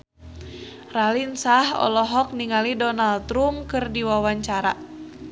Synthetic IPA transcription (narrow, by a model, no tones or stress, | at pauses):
ralinsahɔ̰lɔɦɔk̚niŋalidɔnalt̪ɾumkɨrdiwawaɲt͡ʃaɾa̰